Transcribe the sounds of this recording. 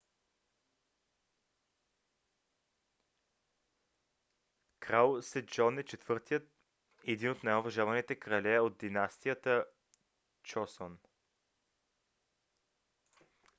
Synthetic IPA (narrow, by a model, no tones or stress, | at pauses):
kɾalˠsɛd͡ʒɔnɛt͡ʃɛt̪v̥ɤɾt̪ijət̪̚ | ɛd̪inot̪najovɐʒavɐnit̪ɛkɾɐlʲɛod̪̚d̪inast̪ijət̪ə | t͡ʃɔson